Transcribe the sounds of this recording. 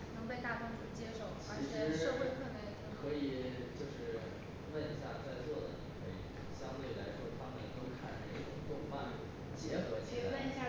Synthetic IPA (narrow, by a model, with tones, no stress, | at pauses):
nɤ˧˥ŋpe˥˧ɪt̪a˥˩pa˥nʈ͡ʂu˥˩t͡ɕjɛ˥ʂo˥˩ʊt͡ɕʰa˨˩i˧˥ʂɻ̩˥˧˥ʂo˥xwe˥˧kʰwe˥˧˩k̪a˧˥˩d̪kʰɤ˧˥i˨˩ | t͡ɕjo˥˧ʊʂɻ̩˥˩ | wə˥˧ni˧˥ɕja˥˧t͡sa˥˧ɪt͡swɔ˥˩d̪ə˩ni˨˩kʰɤ˧˥ḭ˨˩ɕjɑ˥ŋt̪we˥˩ɪla̰˧˥ɪʂwɔ˥t̪ʰa˥mə˨nt̪o˥ʊkʰa˥˩ne˥˩ʈ͡ʂʊ˨˩ŋt̪ʊ˥˧ŋfa˥˧lu˥˩ | t͡ɕjɛ˧˥xɤ˧˥t͡ɕʰwə˥˧ni˧˥ɕja˥˧˩